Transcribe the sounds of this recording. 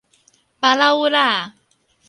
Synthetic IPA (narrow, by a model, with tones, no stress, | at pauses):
pa˧la˦u˦ɾa˦˨˩